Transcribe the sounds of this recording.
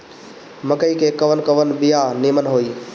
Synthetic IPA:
mɐkəiːkʰeːkɐʋənkɐʋənbɪjaːniːmənɦoːiː

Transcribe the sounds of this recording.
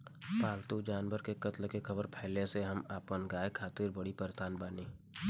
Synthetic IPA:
paːlt̪ud͡ʒaːnʋəɾkekɐt̪lkexʰəbəɾpʰɛɦleseɦɐmaːpənɡaːekʰaːt̪ɪɾbɐɽipəɾst̪ʰaːnbaːniː

